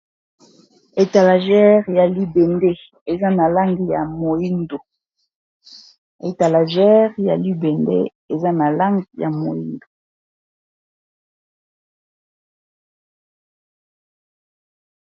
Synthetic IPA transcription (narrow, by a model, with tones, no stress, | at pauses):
e˨ta˨la˨ʒɛ˦ʁja˨li˦be˨nde˦ | e˨za˦na˨la˦ŋɡi˨ja˨mo˨i˦ndo˨ | e˨ta˨la˨ʒɛ˦ʁja̰˨li˦be˨ndḛ˦ | e˨za˦na˨la˦ŋɡi˨ja̰˨mo˨ḭ˦ndo˨